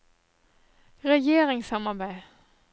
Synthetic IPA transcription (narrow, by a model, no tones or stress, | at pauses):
ʁɛjeːʁɪŋsɑmɑbæɪ